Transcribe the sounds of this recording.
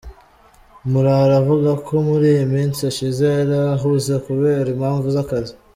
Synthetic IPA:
muɾaɾavuɡakʰo̞muɾiːjomiːnt͡siaʃizeɾaɦuzekuβe̞ːɾimhaːɱvuzakazi

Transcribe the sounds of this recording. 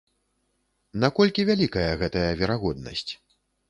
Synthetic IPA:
nakɔlʲkʲivʲalʲikɐjɐɣɛt̪ɐjɐvʲɛɾaɣɔd̪̚nɐ̰sʲt͡sʲ

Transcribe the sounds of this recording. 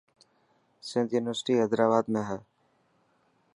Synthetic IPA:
sɪ̃nt̪juːnɪʋəɾsɪ̥ʈiːɦəd̪ɾaːbaːd̪mẽːɦɛː

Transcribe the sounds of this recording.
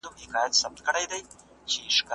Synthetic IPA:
ʊmhɪkɑjat̪sab̚t̪̚kəɽajd̪aj | t͡ʃeʃk

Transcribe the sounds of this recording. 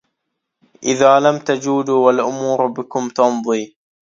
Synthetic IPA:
ʔɪðaːlamt̪ad͡ʒuːd̪uːwalʔʊmuːɾbɪkʊmt̪ɑnðˤiː

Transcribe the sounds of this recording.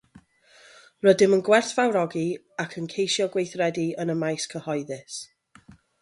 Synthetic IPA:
rədɪmənɡwɛr̥θv̥awɾɔɡi | akʰənkʰejʃjɔɡwejθrɛdiənəmajskʰəhɔɨðɪs

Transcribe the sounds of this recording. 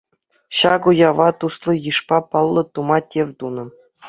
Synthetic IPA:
ɕɑɡujɑʋɑt̪uslˠɤ̆jɯʂpɑpɑlˠːɤ̆t̪umɑtʲeʋʲt̪unɤ̆

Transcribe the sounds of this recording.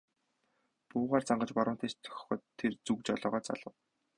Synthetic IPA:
pʊːʁaːrt͡saɴɢə̆t͡ɕpɔɾʊ̆n̥t̪ʰeːst̪ʰœ̥xʲxɔ̆ːt̪ʰːert͡sukt͡ɕɔɮɔːʁɔːt͡sa̰ɮə̆w

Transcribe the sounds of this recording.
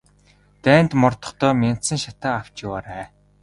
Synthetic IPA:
t̪æːnt̪mɔrt̪ɞ̆χt̪œːmʲen̥t̪sɘ̆ŋʃat̪aːaw̥t͡ɕjʊwaːɾæː

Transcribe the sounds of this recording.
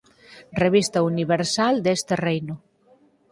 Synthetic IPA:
reβ̞ist̪auniβeɾsald̪est̪erejnu

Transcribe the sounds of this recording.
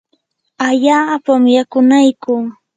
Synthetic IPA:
aʎaːpamjakʊnajkʊː

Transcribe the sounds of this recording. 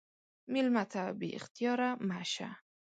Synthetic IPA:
milmat̪ʰabḭɪ̰xt̪ijɒɾamaʃa̰

